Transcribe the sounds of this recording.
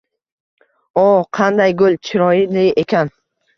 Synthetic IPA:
oqʰɑnd̪ajɡʊlˠt͡ʃʰɪɾɒjɪlɪʔe̞kʲʰan

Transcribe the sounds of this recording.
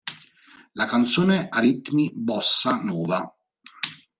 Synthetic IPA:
lakant̪soːneaɾit̪mibɔsːanɔːva

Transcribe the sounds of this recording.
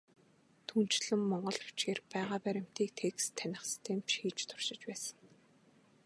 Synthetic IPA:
t̪ʰun̥t͡ɕɮɘ̆mːɔɴɢɞ̆ɮʊ̥t͡ɕɡeːrpæːʁaːpæɾʲɪ̆m̥t̪iːk̚t̪ʰeːkst̪ʰːænʲɪ̆χsi̥st̪ʰeːmt͡ɕxiːt͡ɕt̪ʰʊ̥rʃɪ̆t͡ɕpæːsə̆ŋ

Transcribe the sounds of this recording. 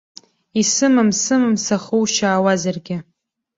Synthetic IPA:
isɨmɨmsɨmɨmsaχuwʃaːwazarɡʲɪ

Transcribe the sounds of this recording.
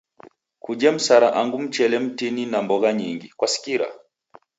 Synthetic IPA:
kud͡ʒɛm̩saɾaʔaŋɡum̩t͡ʃɛlɛm̩tininambɔɣaɲiŋɡikwasi̥kiɾa̰

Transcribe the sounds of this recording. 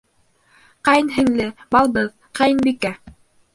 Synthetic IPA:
qɑjnɦɘ̆ŋlɘbɑlˠbɤð | qɑjnbikæ

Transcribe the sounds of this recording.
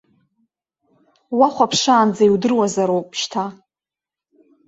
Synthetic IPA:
waχʷapʰʂaːnd͡zaiwdɨrwazaɾowpʼʃtʰa

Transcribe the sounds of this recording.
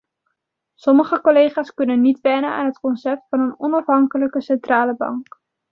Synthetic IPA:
sɔməχəkolejχaːskɵnənːitʋɛnəa̰ːnɦətkɔnsɛp̚tfɑnənɔnɑfɦɑŋkələkəsɛntraːləbɑ̰ŋk

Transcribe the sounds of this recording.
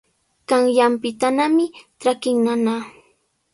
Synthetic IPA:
kaŋjampɪt̪anamɪʈ͡ʂakɪŋnana

